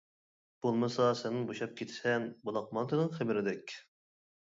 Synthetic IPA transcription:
b̥olˠmɨsɑsɪnɪŋboʃɑp̚kʲʰet̪ʰɪ̥sɛnbolˠɑq̚mɑnt̪ʰɨnɨŋχebɪɾɪd̪ɛkʲ

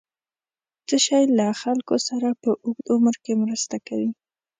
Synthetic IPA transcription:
t͡səʃajlaxalkosaɾapəʔʊɡd̪oməɾkemɾəst̪akawi

